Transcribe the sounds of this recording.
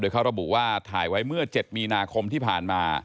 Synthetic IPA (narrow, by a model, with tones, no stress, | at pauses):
doː˧jkʰa˦˥wɾa˧bu˨˩waː˥˩t̪ʰaː˩˦jwa˦˥jmɯ˥˩ɐt͡ɕe˨˩t̪̚miː˧naː˧kʰo˧mt̪ʰiː˥˩pʰaː˨˩nmaː˧